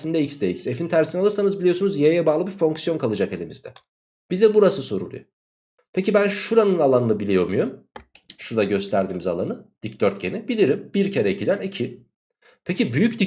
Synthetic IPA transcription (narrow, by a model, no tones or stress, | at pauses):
sind̪ɛicsd̪eicsefinit̪ʰæɾsinɛalˠɯɾsanɯzbilʲijo̞sunuzjajɛbaːlˠɯbifo̞ŋksijo̞nkʰalˠɯd͡ʒake̞lʲimizd̪ɛ̰ | b̥izd̪ɛbuɾasɯso̞ɾṵlˠṵjo | pʰecibænʃuɾanɯnalˠanɯnɯbilʲijo̞myjoɾm | ʃuɾd̪aɟø̞st̪ʰæɾd̪iːmiza̰lˠa̰nɯd̪̥icd̪øɾt̪ɟʰe̞nibilʲiɾimb̥iɾcʰeɾɛicʰid̪ænicʰi | pʰecibyjyc̚d̪i